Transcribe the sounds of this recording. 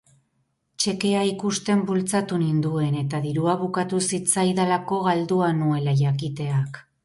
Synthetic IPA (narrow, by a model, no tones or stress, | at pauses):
t͡ʃe̞ke̞aikust̪e̞mbult͡sat̪unind̪ue̞ne̞t̪aðiɾuaβukat̪usit͡sajðalako̞ɣald̪uanue̞laʝakit̪e̞ak